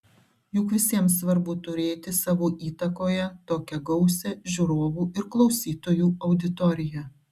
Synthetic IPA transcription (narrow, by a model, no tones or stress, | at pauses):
jʊkʋʲɪsʲiɛmsʋɐɾbʊːt̪ʊɾʲeːt̪ʲɪsɑːʋoːʔiːt̪ɐkoːjɛt̪oːkʲɛɡɐʊsʲɛʒʲuɾoːʋuːʔɪɾklˠɒʊsʲiːt̪oːjuːɒʊd̪ʲɪt̪ɔɾʲɪjɛ